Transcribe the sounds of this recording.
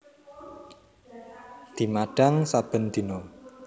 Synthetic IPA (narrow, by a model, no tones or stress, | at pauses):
d̪̥i̤maɖ̥a̤ŋsab̥ə̤nd̪̥i̤nɔ